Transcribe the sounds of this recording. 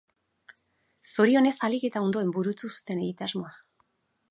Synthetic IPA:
so̞ɾio̞ne̞salike̞t̪ao̞nd̪o̞e̞mbuɾut͡susu̥t̪e̞ne̞ɣit̪azmo̞a

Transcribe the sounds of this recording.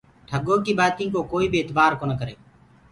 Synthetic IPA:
ʈʰəɠoːkiːbaːt̪ĩːkoːkoːiːbɪt̪baːɾkoːnəkəɾeː

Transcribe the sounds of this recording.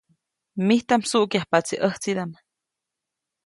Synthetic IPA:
miht̪amsuʔkjahpat͡siʔəht͡sid̪am

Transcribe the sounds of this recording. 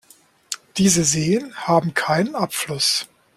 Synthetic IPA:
d̥iːzəzeːənhaːbm̩kʰaɪnənʔapflʊs

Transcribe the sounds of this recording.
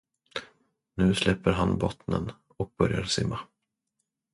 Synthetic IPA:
nʉ̟ːslɛpːəɾɦanbɔt̪nə̰n | ɔk̚b̥œɾjaɾsɪmːa

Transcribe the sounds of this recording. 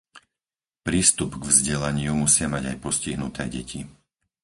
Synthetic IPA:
pɾiːst̪upɡvzɟɛlaɲɪumusɪamaɟajpɔsciɦnut̪ɛːɟɛcʰi

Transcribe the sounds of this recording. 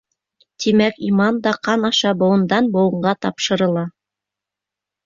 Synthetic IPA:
t̪imækimɑnd̪ɑqɑnɑʃɑbŏwɤ̆nd̪ɑnbŏwɤ̆ɴɢɑt̪ɑpʃɤ̆ɾɤ̆lˠɑ

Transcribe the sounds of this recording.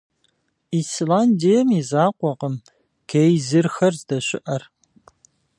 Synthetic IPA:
islaːndijɛmizaːqʷɔqəm | ɡ̥ʰejzɨrxɐrzdɐɕʷɪ̰ʔɐr

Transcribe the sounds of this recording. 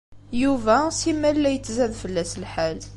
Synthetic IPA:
juvæsimːælːæjət͡sːzæðfəlːæslħal

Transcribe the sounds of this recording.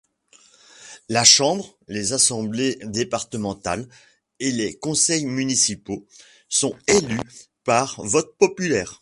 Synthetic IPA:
laʃɑ̃bʁlezasɑ̃bled̪epaʁt̪əmɑ̃t̪a̰l | elekɔ̃sɛjmynisipo | sɔ̃ely | paʁvɔt̪̚pɔpylɛːʁ

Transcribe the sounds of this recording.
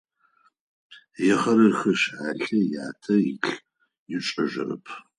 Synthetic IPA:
jɛχɐɾɨrxɐʃaːɬɐjaːtʰɐjɪɬ | jɪt͡ʃʼɐʒʷɐ̰rɐ̰pʰ

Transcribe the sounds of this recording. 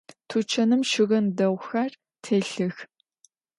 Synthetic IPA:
tʰut͡ʃʰɐnɨmʃɪɣɐndɐwʷxɐr | tʰeːɬɨx

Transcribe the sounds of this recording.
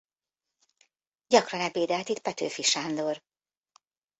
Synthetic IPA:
ɟɒkrɒnɛpeːd̪ɛlt̪it̪̚pɛt̪øːfiʃaːnd̪or

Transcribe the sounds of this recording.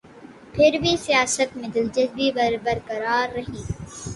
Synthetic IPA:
pʰɪɾbʱisijaːsət̪mɪ̃d̪ɪld͡ʒəzbibɐɾbəɾkɐɾaːɾːɐɦĩː

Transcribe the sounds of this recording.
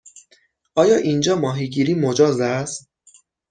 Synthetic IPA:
ʔɒːjɒːʔind͡ʒɒːmɒːɦiːɟiːɾiːmod͡ʒɒːzæst̪̚

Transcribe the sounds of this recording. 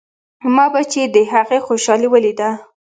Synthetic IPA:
mɑbat͡ʃed̪əɦaɣexoʃɑliwəlid̪a

